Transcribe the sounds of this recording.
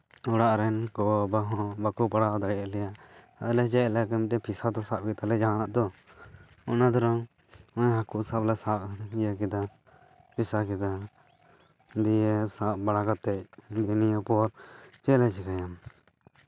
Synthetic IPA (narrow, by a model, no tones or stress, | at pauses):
ɔɽaʔɾɛnkɔbaɦɔ̃bakupaɽad̪aɽɛjaʔlɛjaʔ | ɔlɛt͡ʃɛlakamtɛpʰisad̪ɔsap̚kɛt̪alɛd͡ʒañaʔd̪ɔ | ɔnad̪ɔɾa | ɔ̃ɲɦakuʔsaplasap̚jakɛd̪a | pʰisakɛd̪a | d̪iɛsaʔbaɽakat̪ːɛʔ̚d̪ɛnijapɔɾt͡ʃɛlɛt͡ʃɛkajam